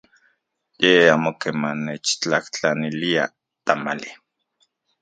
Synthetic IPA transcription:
jeamokemanet͡ʃt͡ɬaht͡ɬanilia̰ | t̪amali

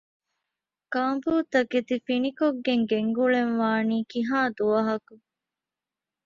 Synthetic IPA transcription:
kaːmbuːt̪ɐket̪ifinikoɡːeŋɡeŋɡuɭenʋaːniːkiɦaːd̪uɐɦɐku

